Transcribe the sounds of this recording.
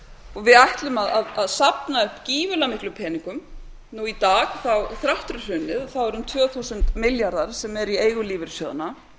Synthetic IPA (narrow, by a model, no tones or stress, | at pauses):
ɔɣvɪðajht̪lʏmaðaðaðsapnaʏhpciːvʏlamɪhklʏpʰɛːniŋkʏm | nuit̪aːɣθawθɾaht̪ɾʏr̥ʏnːɪðθawɛɾʏmt̪ʰvœːθusʏnt̪mɪljaɾðaɾ̥sɛmɛɾieːjɣʏliːvɪɾ̥sjɔːða̰na